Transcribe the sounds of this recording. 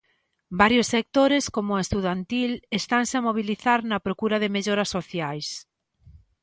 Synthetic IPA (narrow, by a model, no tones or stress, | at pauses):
baɾjosːek̚t̪oɾeskomʊest̪uðant̪ilest̪aŋnseamoβ̞iliθaɾnɐpɾokuɾɐðemeʎoɾɐsoθjajs